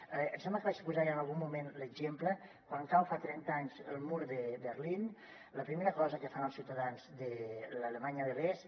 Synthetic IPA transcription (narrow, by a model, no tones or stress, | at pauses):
əənsɛmbləkəβat͡ʃəpuzaɾiənalˠɣumːumenləɡʒempləkwanŋkawfat̪ɾɛnt̪aɲzə̰lˠmuɾðəbəɾlin | ləpɾimeɾəkɔzəkəfanəlˠsiwt̪əðanzðələləmaɲəðərɛs